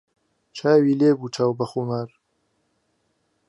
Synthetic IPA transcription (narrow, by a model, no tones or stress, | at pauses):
t͡ʃʰaːwileːbuːt͡ʃʰaːwbɐxumaɾ